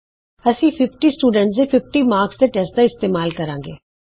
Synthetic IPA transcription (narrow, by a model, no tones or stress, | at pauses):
əsĩːpʰɪpʈiːsʈuːɖəɳʈseːpʰɪp̚ʈiːmaːɾksd̪eːʈɛsʈd̪aːɪst̪eːmaːlkəɾãːŋɡḛː